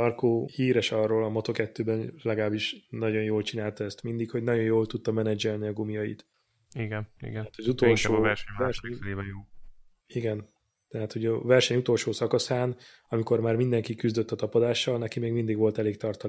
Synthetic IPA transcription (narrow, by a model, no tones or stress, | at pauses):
ɒrkoːhiːɾɛʃɒrːoːlɒmɒt̪okɛt̪ːøːbɛnlɛɡɒlaːbiʃnɒɟo̞njoːlt͡ʃinaːlt̪ɒɛst̪mind̪ikho̞ɟnɒɟo̞njoːlt̪ut̪ːɒmɛnɛd͡ʒɛlniɒɡumijɒjḭt̪ | iɡɛnḭɡɛat̪hɒzut̪o̞lʃovɛrʃɛɛrʃɛɛeːbɛjoː | iɡɛn | t̪ɛɦaːt̪hoɟɒvɛrʃɛɲut̪o̞lʃoːsɒkɒsaːn | ɒmiko̞rmaːrmind̪ɛŋkikyzd̪øt̪ːɒt̪ɒpod̪aːʃːɒlnɛkimeːɡmind̪iɡʋo̞lt̪ɛleːkt̪ɒrt̪ɒ